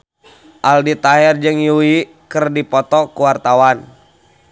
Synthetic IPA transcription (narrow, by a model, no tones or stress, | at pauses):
ʔaldit̪aɦɛrd͡ʒɨŋjui | kərdipɔt̪ɔkuwart̪awan